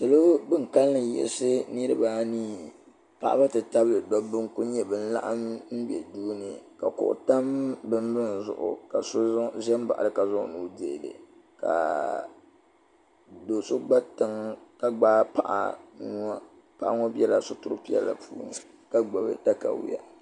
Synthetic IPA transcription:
tɨ˨lo˦bɨ˦ŋka˦lːɨ˨jɛ̰˨lsɨ˦nɨ˦ɾɨ˦baː˦niː˦ | pa̰˦ʔa̰˦ba˦tɨ˨ta˦bɨ˦lɨ˨dɔ˦bɨ˦ŋku˦ɲɛ˦bɨ˦n̩˦la̰˦ʔa˦mm̩˦bɛ̰˨duː˦nɨ˨ka˨kʊ̰˨ʔʊ̰˨ta˦mbɨ˦m˦bɨ˦n˨zʊ̰˨ʔʊ̰˨ka˨so˦ʒɛ˦m˦ba̰˨ʔa̰˨ɨ˨ka˨zʊ˦ŋ˦˨nu˨˦de˨dɨ̰˨ | ka̰˨ | do˨so˦ɡ͡ba˦tɨ˨˦ŋka˦ɡ͡baː˦pa˦ʔa̰˨n˦a˦ | pa˦ʔŋɔ˦bi˦ɛ˦la˨sʊ˦tʊ˦ɾɨ̰˦pi˦ɛ̰˦lːa̰˨pʰṵː˦nɨ˨ | ka˦ɡ͡ba˨bɨ̰˦ta˦ka̰˨wḭ˦ja̰˨

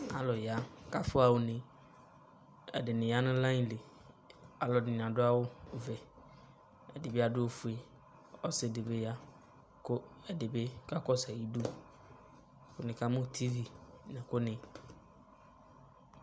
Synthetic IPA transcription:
a̰˨lɔ˨ja˨˦ka˦fʊ˦a˨wʊ˨nɪ̃˨ | ɛ̰˨dɪ˨nɪ̃˨ja˦nʊ̃˦lã˦le˨ | a˨lɔ˨nɪ˨n˨ã˨dʊ˦a˦wʊ˦vɛ˨ | ɛ˨dɪ˨be˦a˨dʊ˦o˨fu˨e˨ | ɔ˦sɪ˨de˨be˦ja˦ | kʊ˦ɛ˨dɪ˨be˦ka˦kɔ˦sa˨ji˦du˦ | kʊ˦nɪ̃˨ka˦mʊ̃˦t̪ʰi˦vi˨nɪ̃˨kʊ˦nɪ̃˨

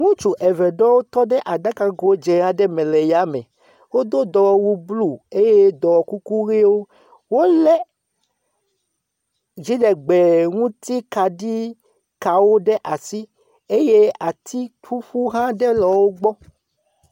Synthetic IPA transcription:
ŋũ˦t͡ʃu˨ʔɛ˨vɛ˨ɖɔ˦wo˦t̪ɔ˦ɖɛ˦ʔa˨da˦ka˦ɡo˦o˦d͡ʒɛ˨a˨ɖɛ˦mɛ̃˨lɛ˨ja˦mɛ̃˨ | wo˦d̪o˦d̪ɔ˨wɔ˨wu˦blu˦e˦je˦d̪ɔ˨wɔ˨ku˦ku˦ɣe˦wo˦ | wo˦lɛ˦ | d͡ʒi˦ɖɛ˨ɡ͡bɛ˨ŋũ˦t̪i˦ka˨ɖi˦ | ka˨wo˦ɖɛ˦ʔa˨si˦ | e˦je˦a˨t̪i˦tu˦ɸu˦ɦã˦ɖɛ˦lɔ˨wo˦ɡ͡bɔ˦

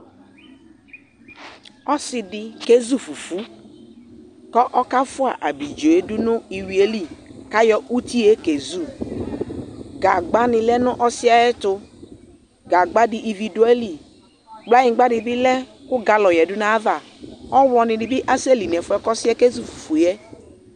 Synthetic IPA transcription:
ɔ˦sɪ˨dɪ˧ke˦zu˦fu˨fu˦ | kɔ˦ʔɔ˦ka˦fʊ˦a̰˨ʔa˨bi˨d͡ʒo˨e˦dʊ˦nʊ˦i˨wi˨˦e˦li˦ka˦jɔ˦ʔu˦ti˦e˦ke˨zu˦˨ | ɡa˨ɡ͡ba˦nɪ˨lɛ˦nʊ˦ʔɔ˦sɪ˦a˦jɛ˦tʊ˧ | ɡa˨ɡ͡ba˦dɪ˨ʔi˨vi˨du˦ɛ˦li˨ | ɡ͡bla˦jɪ̃˨˦ɡ͡ba˦dɪ˨bɪ˦lɛ˦kʊ˦ɡa˨lɔ˨jɛ˨dʊ˦na˦ða˨ | ɔ˦wɔ˨nɪ˨dɪ˨bɪ˦ʔa˦se˦˨li˨n˨ɛ˨fʊ˦ɛ˦kɔ˦sɪ˦ɛ˦ke˦zu˦fu˨fu˨jɛ˦

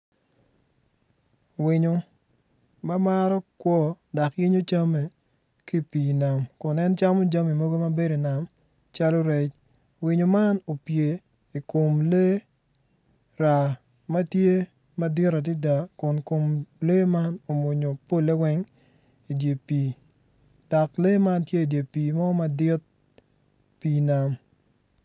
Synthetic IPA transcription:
wɪ˨ɲo˨ | ma˦ma˦ɾɔ˦kwɔ˦da˨kji˦ɲo˦t͡ʃa˦me˨ | ki˦˨pi˨na˨mkʊ˨nɛ˦nt͡ʃa˦mo˦d͡ʒa˦mi˨mo˦ɡo˦ma˦be˦ɾo˨na˨m | t͡ʃa˦lo˦ɾɛ˨t͡ʃ | wɪ˨ɲo˨ma˦no˨pje˨ | i˨ko˨mle˦ | ɾa˨ | ma˦tje˦ | ma˦dɪ˦ɾa˨ti˦da˨kʊ˨nko˨mle˦ma˦no˨mʊ˨ɲo˨po˦le˦wɛ˦ŋ | i˨dje˨piː˨ | d̥a˨kle˦ma˦ntje˦i˨dje˨piː˨mɔ˦ma˦dɪ˦t̪̚ | piː˨na˨m

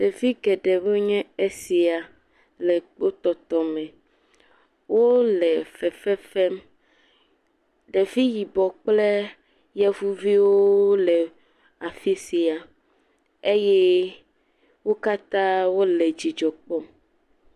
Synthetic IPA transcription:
ɖ̥e˨vi˦ɡɛ˨ɖɛ˨we˦ɲɛ̃˦e˦si˨a˨ | lɛ˨k͡po˦t̪ɔ˨t̪ɔ˨mɛ̃˨ | wo˦lɛ˨fɛ˨fɛ˦fɛ˦m | ɖe˨vi˦ji˨bɔ˨k͡plɛ˦ | jɛ˦vu˦vi˦wo˦lɛ˨ | a˨fi˦si˨a˨ | e˦jɛ˦ | wo˦ka˦t̪ã˦wo˦lɛ˨d͡ʑi˨d͡ʒɔ˨k͡pɔ˦m

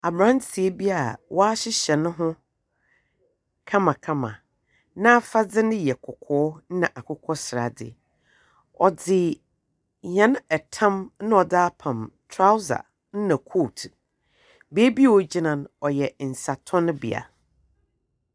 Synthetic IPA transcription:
a˨bɾã˦nsʰi˨e˦bi˦a˨wʔɔ˦a˦ɕɪ˦ɕɛ˨nʊ̃˦ɦʊ̃˦ | kʰã˦mã˨kʰã˦mã̰˨ | nã˦fa˦d͡zɪ˦nɪ̃˦jɛ˨kʰʊ˨kʰɔː˨˦n̩˦nã˨ʔa˨kʰʊ˦kʰɔ˦sɪ˨ɾa̰˨dɪ̰˦˨ | ɔ˨d͡zɪ˨ | ɲã˨˦n˦ɛ˨tʰã˦mnʊ̃˦ɔ˨da˦pʰã˨mtʰɾa˦wza̰˨ | n̩˦nã˨kʰo˦˨tʰ | be˦bi˦wɔ˦d͡ʑi˦nã˨nɔ˨jɛ˨n̩˨sa˨tʰɔ̃˦nʊ̃˦bḭ˨a̰˨

